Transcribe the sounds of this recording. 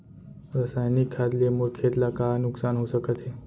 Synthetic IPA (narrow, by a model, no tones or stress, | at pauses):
ɾəsajnikʰːad̪lemuɾkʰet̪lakanʊksanɦosəkət̪ʰe